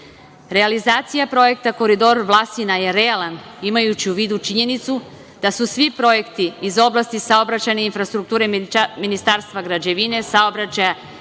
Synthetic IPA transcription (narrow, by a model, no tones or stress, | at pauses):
ɾe̞alizaːt̪sijapɾo̞je̞k̚t̪ako̞ɾid̪o̞ɾʋlˠast̪inaje̞ɾe̞alˠanimajut͡ɕiuʋiːd̪ut͡ʃiɲe̞nit̪su | d̪̥asusʋipɾo̞je̞kt̪iːzo̞blˠast̪isao̞bɾat͡ɕajneinfɾast̪ɾuk̚t̪uːɾe̞minist̪aːɾst̪ʋaɡɾad͡ʑeʋine̞sao̞bɾat͡ɕaja